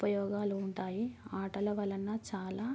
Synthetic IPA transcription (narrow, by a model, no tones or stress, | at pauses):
pɐjɔːɡaːluːɳʈaːjiaːʈɐlɐʋɐlɐnːɐt͡ʃaːlaː